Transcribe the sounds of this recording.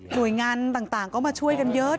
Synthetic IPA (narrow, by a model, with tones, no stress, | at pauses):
nu˨˩əjŋaː˨˩nɗ̪aː˨˩ŋt̪aː˧˩ŋkɔ˨˦maː˨˩t͡ɕu˧əjka˨˩nzəː˨˦